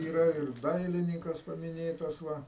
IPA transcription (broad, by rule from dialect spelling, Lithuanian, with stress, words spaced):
iːˈrɐ ɪr ˈdɐɪlʲɪnʲiːkɐs pɐmʲɪˈnʲeːtɐs ˈʋɐ